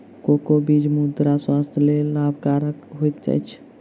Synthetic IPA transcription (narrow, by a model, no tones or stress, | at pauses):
kokobid͡ʒmud̪ɾaswast̪ʰjəlelabʱkaɾəkɦoit̪̚d͡ʒa̰jt͡ʃʰ